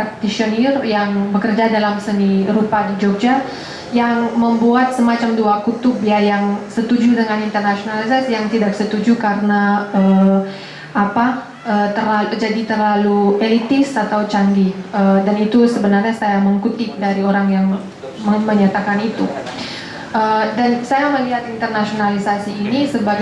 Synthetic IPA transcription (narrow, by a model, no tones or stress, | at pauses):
t̪isionirjaŋbəkərd͡ʒadalamsəniɾupadid͡ʒok̚d͡ʒa | jaŋməmbuat̪̚səmat͡ʃamduakut̪ʊbjajaŋsət̪ud͡ʒudəŋanint̪ərnasionalisasjaŋt̪idaksət̪ud͡ʒukaɾənaə | apa | əːt̪ərlalud͡ʒadit̪ərlaluelit̪ɪsat̪awt͡ʃaŋɡiədanit̪usəbənarɲasajaməŋkut̪ɪk̚daɾioɾaŋjaŋ | məməɲat̪akanit̪u | ʔədansajaməliɦat̪int̪ərnasionalisasiːnisəbaɡ